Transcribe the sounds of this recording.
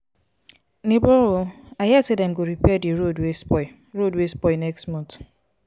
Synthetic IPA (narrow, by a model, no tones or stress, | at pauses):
nibɔɾoaɦɛsedɛm̩ɡoɾipɛdiɹodwesɔɪ | ɹodwespɔɪnɛkstmɔ̃nt